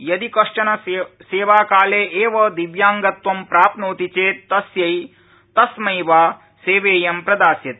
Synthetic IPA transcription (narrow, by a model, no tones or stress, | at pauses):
jɐd̪ikɐʂʈɐnɐseːʋaːkaːleːʔeːʋɐd̪iʋjaːŋɡɐt̪ʋɐmpɾaːpnoːt̪it͡ʃeːt̪ːɐsjɐj | t̪ɐsmɐjʋaː | seːʋeːjɐmpɾɐd̪aːsjɐt̪